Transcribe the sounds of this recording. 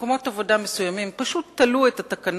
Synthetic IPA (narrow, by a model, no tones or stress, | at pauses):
komo̞t̪avo̞damesujamimpaʃutt̪ːaluet̪at̪akan